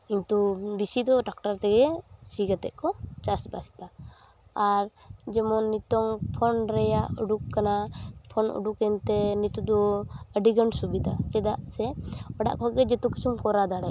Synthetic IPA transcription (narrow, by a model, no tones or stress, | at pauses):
int̪ubisid̪ɔʈak̚ʈaɾt̪ɛɡɛsiɡat̪ɛ̰ʔkɔt͡ʃasbasi̥t̪aː | ɾ | d͡ʒɛmɔnːit̪ɔŋpʰɔnɾɛjaʔuɖukːanapʰɔnṵɖukɛnt̪ɛnit̪ud̪ɔəɖiɡəɳsubid̪at͡ʃɛd̪aʔsɛɔɖa̰ʔkɔɡɛd͡ʒɔt̪ukit͡ʃumkɔɾad̪aɽa